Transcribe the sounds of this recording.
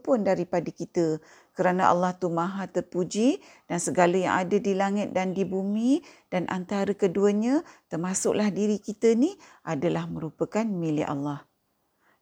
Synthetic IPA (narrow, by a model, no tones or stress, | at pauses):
pʊndaɾipadikit̪ə | kəɾanaʔa̰lːaht̪umãɦat̪ərpud͡ʒid̥ansəɡaləjã̰ŋʔadədilaŋɪt̪̚dandibumĩdanʔa̰nt̪aɾəkəduəɲat̪ərmasʊʔlahdiɾikit̪əniʔadalahmə̃ɾupəkanmilɪʔa̰lːah